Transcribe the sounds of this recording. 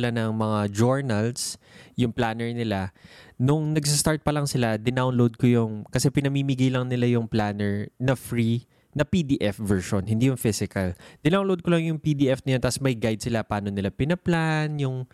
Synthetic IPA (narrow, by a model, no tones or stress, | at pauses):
lanɐŋmɐŋad͡ʒoɹnɐls | jʊŋplaːnɛɹnɪlanʊŋnɐɡ̚sɐst̪aɹt̪̚pɐlɐŋsɪlad̪ɪnawnlowd̪̚kojʊŋkɐsɛpɪnɐmiːmiɡajlɐŋnɪlajʊŋplaːnɛɹnɐfɹi | nɐpid̪iːʔɛfvɛɹʃonɦɪ̃nd̪ijʊŋfɪsɪkɐld̪̥ɪnawnlowd̪̚kolɐŋjʊŋpid̪iʔɛfnɐjoasmɐjɡajd̪̚sɪlapaːnonɪlapɪnɐplanjʊŋ